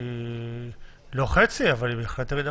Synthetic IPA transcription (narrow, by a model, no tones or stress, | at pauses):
lo̞χe̞t͡siavalibeːχlet̪aɡid̪a